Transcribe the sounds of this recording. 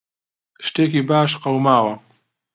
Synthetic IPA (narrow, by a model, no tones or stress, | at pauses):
ʃʈekibaːʃqawmaːwa